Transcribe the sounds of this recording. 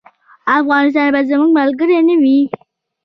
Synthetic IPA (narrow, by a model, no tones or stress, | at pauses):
afɣɑnɪs̬t̪ɑnbazəmuɡmalɡəɾenawi